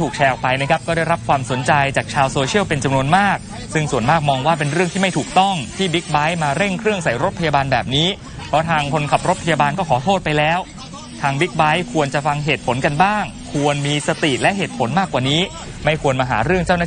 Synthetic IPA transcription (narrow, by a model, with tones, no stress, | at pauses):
uː˨˩k̚t͡ɕʰɛː˧ʔɔ˨˩k̚pa˧jna˦˥kʰa˦˥p̚kɔː˥˩ɾa˥˩jɾa˦˥p̚kʰwaː˧mso˩˦nt͡ɕa˧jt͡ɕaː˨˩k̚t͡ɕʰaː˧wsoː˧t͡ɕʰi˥˩əwpe˧nt͡ɕa˧mnu˧ənmaː˥˩k̚ | sɯ˥˩ŋsu˨˩ənmaː˥˩k̚mɔː˧ŋwaː˥˩pe˧nɾɯ˥˩əŋt̪ʰiː˥ma˥˩jt̪ʰuː˨˩k̚t̪ɔ˥˩ŋt̪ʰiː˥˩bi˦˥k̚ba˦˥jmaː˧ɾe˥˩ŋkʰɾɯ˥˩əŋsa˨˩jɾo˦˥t̪̚pʰa˧jaː˧baː˧nbɛː˨˩p̚niː˦˥ | pʰɔ˦˥t̪ʰaː˧ŋkʰo˧nkʰa˨˩p̚ɾo˦˥t̪̚pʰa˧jaː˧baː˧nkɔː˥˩kʰɔː˩˦t̪ʰoː˥˩t̪̚pa˧jlɛː˦˥w | t̪ʰaː˧ŋbi˦˥k̚ba˦˥jkʰu˧ənt͡ɕa˨˩fa˧ŋɦeː˨˩t̪̚pʰo˩˦nka˧nbaː˥˩ŋkʰu˧ənmiː˧sa˧t̪i˨˩lɛ˦ʔɦeː˨˩t̪̚pʰo˩˦nmaː˥˩kːwaː˨˩niː˦˥ | ma˥˩jkʰu˧ənmaː˧ɦa̰ː˩˦ɾɯ˥˩əŋt͡ɕaː˥˩wnaː˥˩